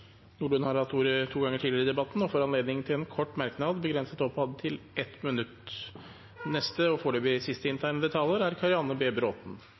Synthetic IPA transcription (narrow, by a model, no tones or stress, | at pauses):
nuːɖʉnhɑɾɑt̪ːuːɾət̪ʰuːɡɑŋəʈʰiːlɪɾəɪd̪ɛbɑt̪ːn̩ɔfɔɾɑnleːd̪nɪŋt̪ʰɪlɛːnkʰɔʈːmæɾknɑd̪bəɡɾɛnsət̪ɔpɑd̪t̪ʰɪlʔɛt̪mənʉt̪ | nɛst̪əɔfoːɖɛʋɪsɪst̪əɪnt̪ʰæːɳəd̪ɛt̪ʰɑlːəɾæɾkʰɑɾɪɑnəbeːbəɾoːt̪n̩